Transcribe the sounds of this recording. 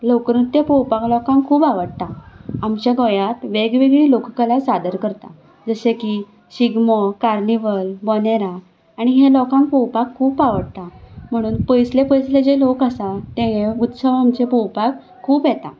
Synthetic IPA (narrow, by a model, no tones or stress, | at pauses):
lokɾut̪jəpɔwpaklɔkãŋkʰːuːpaʋəɽt̪aamt͡ɕjaɡɔjat̪ʋeɡʋeɡɭiːlokkəlasad̪əɾkəɾt̪a̰ | d͡zəseki | ɕiɡməkaɾniʋəlbɔneɾa | aɽ̃iɦelɔkãŋkpɔwpakʰːuːpaʋəɽt̪am̤əɽ̃uːnpəjslepəjsled͡ʑelokasat̪ẽɦeut̪səʋamt͡ɕepɔwpak | kʰːuːpjet̪a̰